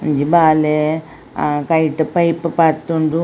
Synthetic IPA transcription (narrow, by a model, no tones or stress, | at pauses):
ɲd͡ʒibaːle | kɐjʈupɐjpupɐɾt̪und̪u